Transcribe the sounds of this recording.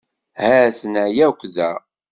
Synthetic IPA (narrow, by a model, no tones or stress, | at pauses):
hæθnæjækʷːðæ